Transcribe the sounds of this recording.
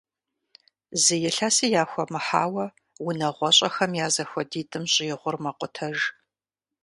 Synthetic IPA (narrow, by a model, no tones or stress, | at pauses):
zɨjɛɬaːsijaːxʷɔmɨħa̰ːwɐ | wʊnɐʁʷɔɕʼɐxɐmjaːzɐxʷɔdiːtʼɨmɕʼɪjɪʁʷʊrmɐqʷʊtʰɐʒ